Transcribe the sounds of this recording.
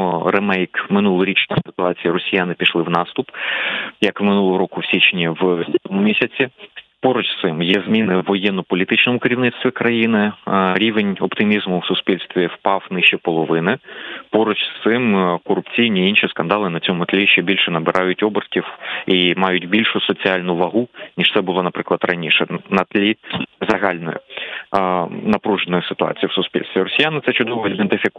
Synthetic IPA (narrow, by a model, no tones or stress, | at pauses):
ɾemɛjkmɪnulˠʊɾʲit͡ʃnʲɐsɪt̪ʊɑt͡sʲijɐɾɔsʲijanɪpʲiʃlˠɪwnɑst̪ʊpjɐkʋmɪnulˠɔɦɔɾɔkʊwsʲit͡ʃnʲiwʲt̪ʲɔmʊmʲisʲɐt͡sʲipɔɾɔt͡ʃsɪmjizmʲinɪwːɔjɛnːɔpɔlʲit̪ɪt͡ʃnɔmʊkɪɾʲiʋnɪt̪st̪ʋʲikɾɐjinɪɾʲiʋenʲɔpt̪ɪmʲizmʊwsʊspʲilʲst̪ʋʲiwpɑwnɪʃt͡ʃɛpɔlˠɔʋɪnɪpɔɾʊt͡ʃst̪sɪmkɔrʊpt͡sʲijnʲiinʃiskɐnd̪ɑlˠɪnɐt͡sʲɔmʊt̪lʲiʃt͡ʃɛbʲilʲʃɛnɐbɪɾʔɑjʊtʲɔbɪrkʲiwimɑjʊtʲbʲilʲʃʊsɔt͡sʲiɑlʲnʊʋɐɦunʲiʃt̪ɛbʊlˠɔnɐpɾɪklˠɐd̪rɐnʲiʃɛnɐt̪lʲizɐɦɑlʲnɔ̰jʊ̰ | nɐpɾuʒenɔjʊsɪ̥t̪ʊɑ̰t͡sʲijwsʊspʲḭlʲst̪ʋʲiɾɔsʲijanɪt̪sɛt͡ʃʊd̪ɔʋɔid̪ent̪ɪfʲik